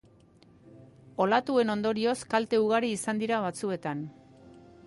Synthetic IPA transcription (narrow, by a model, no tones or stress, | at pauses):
o̞lat̪ue̞no̞nd̪o̞ɾio̞skalt̪e̞uɣ̞aɾiːsand̪iɾaβ̞at͡sue̞t̪an